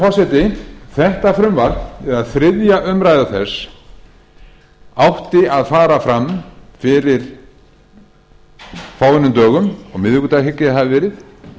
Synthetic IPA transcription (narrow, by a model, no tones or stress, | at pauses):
fɔrsɛt̪ɪθɛht̪afɾʏmvaɾ̥t̪nɛðaðθɾɪðjaʔʏmɾajðaθɛs | awht̪ɪaðfaːɾafɾamfɪɾɪɾ̥ | faːwvɪnʏmt̪œːɣʏmɔɣmɪðhʏkʏt̪ahɦɪcːɪθaðɪvɛːɾɪθ